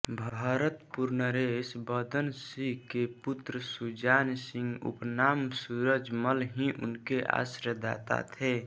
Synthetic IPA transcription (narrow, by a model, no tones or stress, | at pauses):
bʱaːɾət̪puɾnəɾesbəd̪ənsikeput̪ɾəsud͡ʒaːnsɪ̃ŋɡṵpnaːmsuɾəd͡ʒməlɦĩʔʊ̰nkeʔa̰sɾəd̪a̰ːt̪a̰t̪ʰe